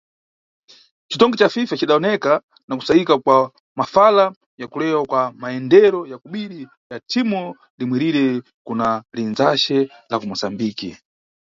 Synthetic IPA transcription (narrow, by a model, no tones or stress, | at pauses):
t͡ʃitɔŋɡɛt͡ʃafifat͡ʃiɗaɔnɛka | naku̥sajikakwa | mafala | jakulɛwakwamaɛndɛɾɔjakuɓiɾi | jatʰimɔ | limwɛɾiɾɛ | kunalinzaʃɛlavumɔsambiːkḭ